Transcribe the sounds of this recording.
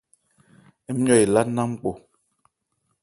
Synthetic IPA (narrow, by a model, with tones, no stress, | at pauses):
ɛ˨˦m̩˦ɲɔ˦˨i˨la˦na˦m̩˦k͡po˨